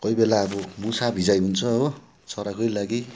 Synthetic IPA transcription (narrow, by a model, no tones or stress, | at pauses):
kʌjbelaʌɾomusabʱid͡zajunt͡sʰʌ | t͡sʰʌɾakʌjlaɡi